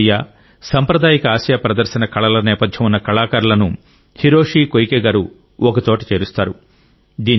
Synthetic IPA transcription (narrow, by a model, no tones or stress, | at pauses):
jaː | sɐmpɾɐd̪aːjikɐaːʃjaːpɾɐd̪ɐɾʃɐnɐkɐɭɐlɐnɛːpɐd̪ʱjɐmunːɐkɐɭaːkɐɾulɐnu | hiɾoːʂiːkojkeːɡaːɾu | ɔkɐt̪oːʈit͡ʃe̞ːɾust̪aːɾu | d̪iːn